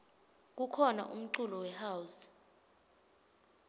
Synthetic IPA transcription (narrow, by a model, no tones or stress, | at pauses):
k̬ukʰɔna̰ʔṵm̩ǀulɔwɛhaːwus